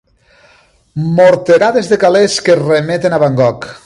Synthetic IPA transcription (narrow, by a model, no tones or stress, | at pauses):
moɾt̪eɾaðezðekaleskeremet̪enaβaŋɡɔk